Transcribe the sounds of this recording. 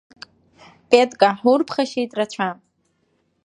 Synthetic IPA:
pʼetʼkʼaħurpʰχaʃejtʼrat͡ɕʷʰa

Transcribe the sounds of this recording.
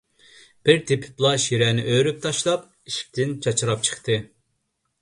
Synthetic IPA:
b̥ɪɾt̪ʰepʰɪ̥plˠɑʃiɾɛːnɪ̰ʔøɾyp̚t̪ʰɑʃlˠɑp̚ | iʃk̚ʲt̪ʰɪnt͡ʃʰɑt͡ʃʰɨɾɑp̚t͡ʃʰə̥χt̪ɨ

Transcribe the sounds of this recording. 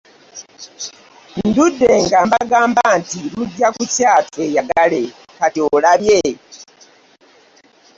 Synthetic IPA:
nndudːe̞ŋɡambaɡaːmbantiluɟːakucaːtwe̞jaɡale | katolaβje

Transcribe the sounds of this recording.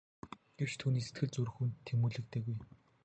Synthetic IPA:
ɡ̥ew̥t͡ɕt̪ʰuːniːse̥t̪ɡɘ̆ɮt͡sɵɾrxuːnt̪ʰːemuːɮɘ̆k̚t̪ʰeːɣuj

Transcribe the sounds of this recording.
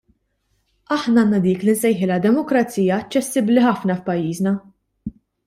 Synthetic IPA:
ɐħnɐɐːnːɐd̪iːklɪnsɛjħɪlɐd̪ɛmɔkɾɐt͡siːjɐːt͡ʃːɛsːɪbliħɐfnɐfpɐjːiːznɐ

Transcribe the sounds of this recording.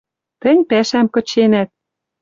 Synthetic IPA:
t̪ɘ̆nʲpæʃæmkɤ̆t͡ɕenæt̪̚

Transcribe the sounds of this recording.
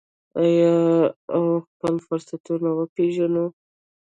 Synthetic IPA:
aja | wxpəlfʊɾsat̪uɾnawəpeʒano

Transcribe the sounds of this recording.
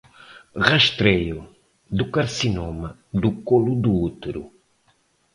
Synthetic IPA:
ʁɐʃt̪ɾeju | d̪ukaɾsinomɐ | d̪ukolud̪uut̪eɾṵ

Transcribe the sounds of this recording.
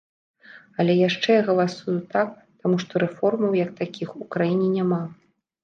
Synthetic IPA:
ɐlʲɛjaʂt͡ʂɛɣɐlˠasujut̪ak̚ | t̪amuʂt̪ɔɾɛfɔrmɐwjɐk̚t̪akʲixukɾajinʲɛnʲama

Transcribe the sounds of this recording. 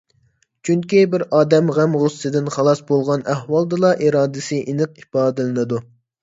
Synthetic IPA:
t͡ʃʰyŋkʲibɪɾɑːd̪ɛmʁæmʁʊsːɨd̪ɪnχɑlˠɑsbolˠʁɑnæhwɑlˠd̪ɨlˠɑʔiɾɑːd̪ɪsɨʔinɨq̚ipɑːd̪ɪlɪnɨd̪u

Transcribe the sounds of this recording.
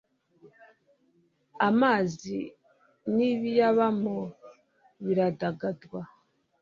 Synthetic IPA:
amaːzi | niβijaβamo | βiɾadaɡadɡwa

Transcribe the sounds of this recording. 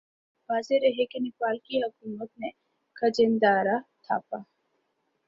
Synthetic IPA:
ʋaːzeɾɐɦekenɪpaːlkiɦɐkuːmət̪̚nẽ | kʰɐd͡ʒɪ̃nd̪aːɾat̪ʰa̰ːpaː

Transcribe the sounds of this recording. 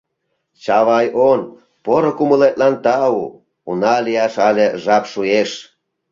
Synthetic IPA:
t͡ɕɑβɑjon | poɾŏkuməlet̪̚lɑnt̪ɑu | ṵnɑlijɑʃɑlʲeʒɑpʃueʃ

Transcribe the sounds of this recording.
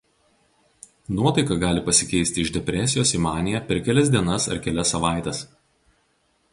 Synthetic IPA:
nuɔt̪ɐɪkɐɡɑːlʲɪpɐsʲɪkʲɛɪsʲt̪ʲɪɪʒd̪ʲɛpʲɾʲɛsʲɪjoːsimɑːnʲɪjɛpʲɛɾkʲɛlʲɛsd̪ʲiɛnɐsɐ̰ɾkʲɛlʲɛsːɐʋɑˑɪt̪ʲɛs

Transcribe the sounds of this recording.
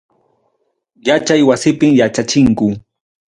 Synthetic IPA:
jat͡ʃajwasɪpɪmjat͡ʃat͡ʃɪŋkʊ

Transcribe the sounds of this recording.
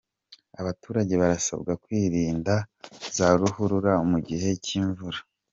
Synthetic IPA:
aβatuːɾaɟe̞βaɾasa̰bɡakwiːɾiːndazaɾuhuɾuɾaumuɟiɦe̞ciːɱvuɾa

